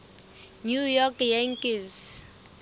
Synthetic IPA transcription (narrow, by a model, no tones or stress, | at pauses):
nujɔkjɛŋkis